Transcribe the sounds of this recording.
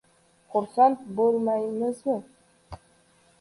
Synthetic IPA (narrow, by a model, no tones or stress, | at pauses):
χʊɾsant̪bolmajmɪzmɪ